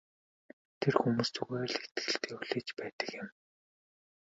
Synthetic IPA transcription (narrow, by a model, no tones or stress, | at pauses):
t̪ʰerxumuːst͡suɣĕːɮet̪ɘ̥̆ɘ̆ɬt̪ʰeːuɮ̥eːt͡ɕpæːt̪ə̥̆kjɪ̆m